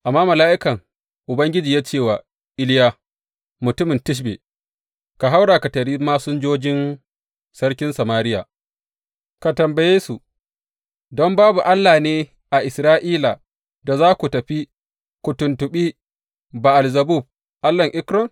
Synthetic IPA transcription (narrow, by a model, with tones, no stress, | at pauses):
ʔa˨mːaː˦mɐ˨laː˦ʔɪ˦kɐ˨ŋ | ʔʊ˨bɐ˦ŋɡʲɪ˦d͡ʒiː˨jaː˦t͡ʃeː˦˨wa˨ | ʔɪ˦lja˦ | mʊ˨tʊ˦mɪ˨ntɪ˦ʃ̬bḛ˨ | ka˨ɦa˦wɽaː˨ka˨tɐ˨ɾiː˦maː˦sʊ˦nd͡ʒoː˦d͡ʒɪ˦n | sɐ˦ɽkʲɪ˦nsɐ˨maː˦ɾɪ˦ja̰ː˨ | ka˨tɐ˨mbɐ˨jeː˦su˨ | dɔ˦mbaː˦bu˨ʔa˦lːaː˨neː˦ | ʔa˨ʔɪ˨sɾaː˦ʔiː˦la˨ | da˨zaː˦kʷu˨tɐ˨ɸi˦ | kʷu˨tʊ˨ntʊ˨ɓi˦ | ba˨ʔa˨lzɐ˨bu˦˨b̚ | ʔa˦lːɐ˨ŋʔɪ˦kɾɔ˨ŋ